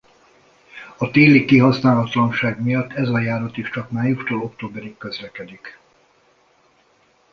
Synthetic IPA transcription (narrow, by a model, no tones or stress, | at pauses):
ɒt̪eːlikkːiɦɒsnaːlɒt̪lɒnʃaːɡmijɒt̪ːɛzɒjaːɾɒt̪iʃt͡ʃɒkmaːjuʃt̪oːlo̞kt̪oːbɛɾikːøzlɛkɛd̪ik